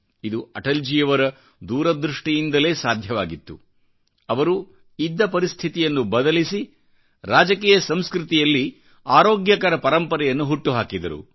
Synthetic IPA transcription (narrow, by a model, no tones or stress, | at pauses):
id̪uɐʈɐld͡ʒijɐʋɐɾɐ | d̪uːɾɐd̪ɾuʂʈijind̪ɐle̞ːsaːd̪ʱjɐʋaːɡit̪ːu | ɐʋɐɾu | id̪ːɐpɐɾist̪ʰit̪ijɐnːubɐd̪ɐlisi | ɾaːd͡ʒɐkiːjɐsɐmskɾut̪ijɐlːi | aːɾoːɡjɐkaːɾɐpɐɾɐmpɐɾɛjɐnːuɦuʈːuɦaːkid̪ɐɾṵ